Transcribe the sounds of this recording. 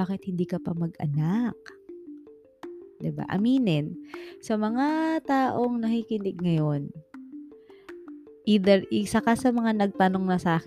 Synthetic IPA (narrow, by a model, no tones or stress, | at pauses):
aːkɪt̪̚hɪnd̪iːkɐpɐmɐɡɐ̰nak̚ | d̪ɪba̰ʔɐ̰miːnɪnsɐmɐŋat̪aːʔo̞ŋnɐhikɪnɛɡ̚ŋɐjo̞n | ʔiːd̪ɛɹʔɪsɐkɐsɐmɐŋanɐɡ̚t̪ano̞ŋnɐsɐʔaːk